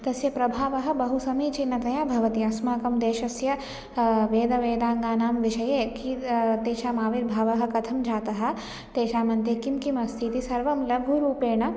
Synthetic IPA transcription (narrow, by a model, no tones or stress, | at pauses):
t̪ɐsjɐpɾɐbʱaːʋɐɦɐ̆bɐɦusɐmiːt͡ʃinːɐt̪ɐjaːbʱɐʋɐt̪iɐsmaːkɐmd̪eːʃɐsjɐ | ʋeːd̪ɐʋeːd̪aːŋɡaːnaːmʋiʃɐjeːkit̪eːʃaːmaːʋiɾbʱaːʋɐɦɐ̆kɐt̪ʰɐmd͡ʒʱaːt̪ɐɦɐ̆ | t̪eːʃaːmɐnt̪eːkimkimɐst̪ʰit̪isɐɾʋɐmlɐbʱuɾuːpeːɳɐ